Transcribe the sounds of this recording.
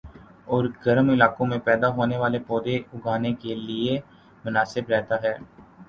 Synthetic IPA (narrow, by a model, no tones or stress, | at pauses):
ɔːɾɡɐɾmɪlaːkõmẽpɛːd̪aɦoːneʋaːlepɔːd̪eʊɡʱaːnekelie | mʊnaːsɪbɾɛɦt̪aɦɛː